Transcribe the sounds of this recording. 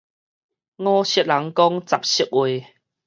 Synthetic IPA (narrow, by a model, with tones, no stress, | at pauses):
ŋɔ̃ː˧ɕə˧˦t̚la˨˦ŋkɔ˦ŋt͡sa˨p̚ɕi˧˦k̚ʔwe˨˩˨